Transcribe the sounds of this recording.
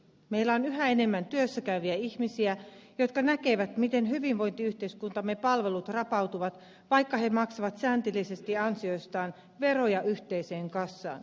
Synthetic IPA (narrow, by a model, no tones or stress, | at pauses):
meilːæonyɦæe̞ne̞mːænt̪yøsːækæyʋiæiçmisiæjo̞t̪̚kɑnæke̞ʋæt̪mit̪e̞nɦyʋinʋo̞jnt̪iyht̪e̞iskunt̪ɑmːe̞pɑlʋe̞lut̪rɑpɑwt̪uʋɑt̪ | ʋɑjkːɑɦe̞mɑksɑʋɑt̪sæːnt̪ilise̞st̪iɑnsio̞jst̪ɑːn | ʋe̞ɾo̞jɑʔyçt̪e̞jse̞ːŋkɑsːɑ̰ːn